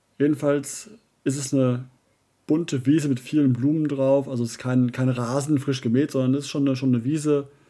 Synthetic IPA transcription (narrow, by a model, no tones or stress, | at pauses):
jeːdn̩fals | ʔɪstɛsnə | b̥ʊntʰəviːzəmɪtfiːlənbluːməndʁaʊfʔalzosɪ̥skʰaɪnkʰaɪnʁaːzn̩fʁ̥ɪʃɡ̥əmeːtz̥ɔndɐnɛsɪ̥stʃoːnːəʃoːnːəviːzə